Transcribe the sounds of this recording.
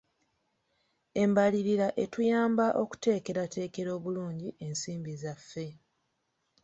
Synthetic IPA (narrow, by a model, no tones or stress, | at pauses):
e̞mbaliɾiɾaʔe̞tujaːmbaʔo̞ku̥te̞ːke̞ɾate̞ːke̞ɾo̞ːβuluːɲɟiʔe̞nsiːmbizafːe̞